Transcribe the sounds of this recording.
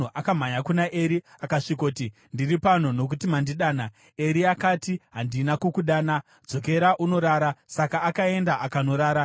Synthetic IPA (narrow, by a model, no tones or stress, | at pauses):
uʔakam̤aɲakunaʔe̞ɾiakaʂikoti | ndiripan̤ono̞k̬utimandiɗaːna | e̞ɾiakatiɦandinakokuɗaːna | d͡zo̞k̬e̞ɾaʔuno̞ɾaːɾasakaːkae̞ndaʔakano̞ɾaːɾa